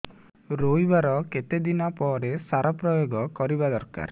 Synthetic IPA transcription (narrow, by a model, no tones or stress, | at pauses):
ɾojbaɾɔket̪ed̪inapɔɾesaɾapɾɔjoɡɔkɔɾibad̪ɔɾka̰ɾ